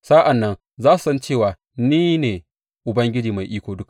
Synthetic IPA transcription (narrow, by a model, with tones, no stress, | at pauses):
saː˦ʔa˨nːɐ˦n | zaː˦su̥˨sɐ˦nt͡ʃeː˦˨waː˨ | niː˦neː˨ | ʔʊ˨bɐ˦ŋɡʲɪ˦d͡ʒiː˨ma˨jʔiː˦kʷoː˨dʊ˦ka˨